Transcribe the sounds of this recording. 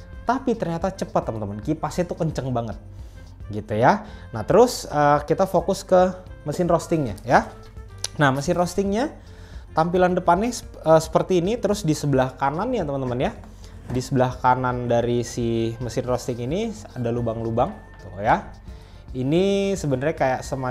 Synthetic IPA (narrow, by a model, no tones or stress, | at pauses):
t̪apit̪ərɲat̪at͡ʃəpət̪ːəmənt̪əmənkipasɛt̪ukəɲt͡ʃəŋbaŋət̪̚ | ɡit̪ujanaht̪əɾʊsəkit̪afokʊskəməsɪnrost̪ɪŋɲa̰ja | nahməsɪnrost̪ɪŋɲa | t̪ampilandəpanːɛ | əːsə̥pərt̪iːnit̪əɾʊsdisəbəlahkananjat̪əmənt̪əmənja | disəbəlahkanandaɾisiməsɪnrost̪ɪŋiniadalubaŋlubaŋ | t̪uja | inisəbənərɲakajaʔsəma